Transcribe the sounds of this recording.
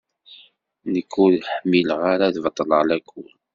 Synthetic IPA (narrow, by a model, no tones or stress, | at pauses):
nəkʰːuðħəmːilʁaɾaðvət̪ˤːəlʁlækʰːul